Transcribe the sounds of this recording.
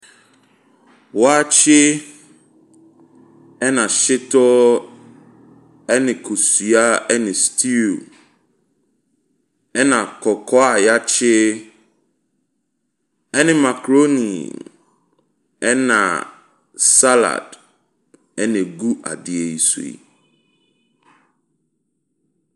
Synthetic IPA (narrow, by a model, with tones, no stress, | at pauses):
wɔ˨˦a˦t͡ɕʰɪ˦ | ɛ˦nã˨ʃɪ˦tɔ˦ | ɛ˦nɪ̃˨kʰo˨su˨a˦ɛ˦nɪ̃˨stʰi˦l | ɛ˦nã˨kʰɔ˨kʰɔ˦a˨ja˦t͡ɕʰɪ˦ | ɛ˦nɪ̃˨ma˨kʰɾo˦ni˨ | ɛ˦nã̰˨ | sa˦la̰˨d | ɛ˦nɪ̃˨ɡu˦ʔa̰˨dɪ˨e˨i˨sṵ˨ḭ˨